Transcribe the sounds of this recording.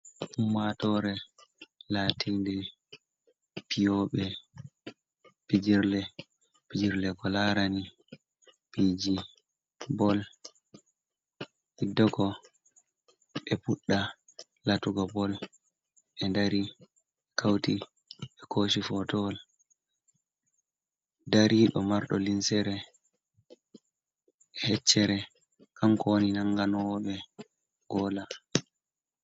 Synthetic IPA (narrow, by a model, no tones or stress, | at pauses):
ʔumːatɔɾɛ | laːtʰindɛ | pijɔɓɛ | pid͡ʒiɾlɛ | pid͡ʒiɾlɛkɔlaɾani | pid͡ʒi | bɔl | idɔɡɔ | ɓɛpuɗːa | latuɡɔbɔl | ɓɛndaɾi | kʰawti | ɓɛkʰoʃifɔtɔl | daɾiɗɔmaɾɗɔlinsɛɾɛ | hɛt͡ʃːɛɾɛ | kʰamkɔwoninaŋɡanɔwɓɛ | ɡ̥ɔla